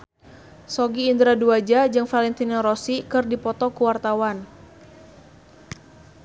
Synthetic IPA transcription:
sɔɡiːnd̪ɾaduad͡ʒad͡ʒɨŋfalɛnt̪inaɾɔsikɨrdipɔt̪ɔkuwart̪awan

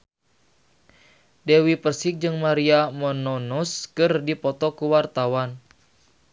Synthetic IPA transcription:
dewipərsɪk̚d͡ʒɨŋmaɾiamɔnɔnɔskɨrdipɔt̪ɔkuwart̪awan

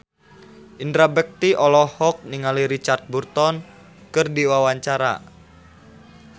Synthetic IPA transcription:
ʔind̪ɾabɛk̚t̪iʔɔlɔhɔk̚niŋaliɾit͡ʃart̪̚burt̪ɔn | kɨrdiwawaɲt͡ʃaɾa̰

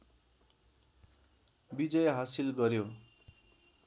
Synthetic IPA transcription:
bid͡zʌjɦasilɡʌɾjo

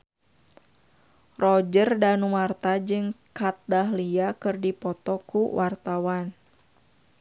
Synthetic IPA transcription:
rɔd͡ʒərdanumart̪ad͡ʒɨŋkat̪̚daɦliakɨrdipɔt̪ɔkuwʔart̪awan

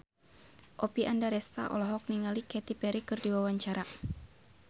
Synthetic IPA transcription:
ʔɔpiʔandaɾɛst̪a̰ʔɔ̰lɔɦɔk̚niŋalikɛt̪ipɛɾikɨrdiwawaɲt͡ʃaɾa

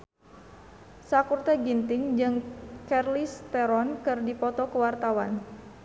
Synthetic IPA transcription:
sakurt̪ɛɡint̪ɪŋd͡ʒɨŋkɛrlist̪ɛɾɔnkɨrdipɔt̪ɔkəwart̪awan

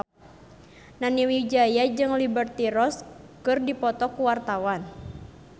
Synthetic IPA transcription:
naniwid͡ʒajad͡ʒɨŋlibərt̪iɾɔs | kɨrdipɔt̪ɔkuwart̪awan

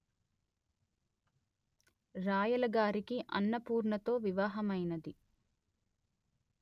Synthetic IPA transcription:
ɾaːjɐlɐɡaːɾikiʔɐnːɐpuːɾɳɐt̪o̞ːʋiʋaːɦɐmɐjnɐd̪i

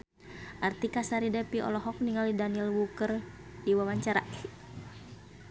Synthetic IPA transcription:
ʔart̪ikasaɾidɛpiɔ̰lɔɦɔk̚niŋalidanilwukər | diwawaɲt͡ʃaɾa̰

